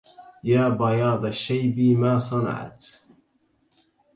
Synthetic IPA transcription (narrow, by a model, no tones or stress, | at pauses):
jaːbɑjɑːd̪ˤaʃːajbiːmaːsˤɑna̰ʕa̰t̪